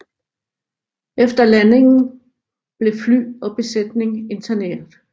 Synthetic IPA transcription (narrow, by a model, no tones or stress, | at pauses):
efd̥ɐlæne̝ŋn̩ | b̥le̝fly̰ːɒ̽b̥e̝sed̥ne̝ŋe̝nt͡sʰæne̝̰ːɐðˠ